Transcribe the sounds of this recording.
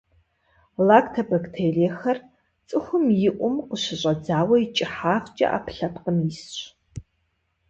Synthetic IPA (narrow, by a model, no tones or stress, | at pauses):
laːktʰɐbɐktʰejleːxɐr | t͡sʼɨxʷʊmjɪʔʷʊmqəɕɪɕʼɐd͡zaːwɐit͡ʃʼɪħaːft͡ʃʼɐ̰ʔa̰ːpʰɬɐpqəmjɪsɕ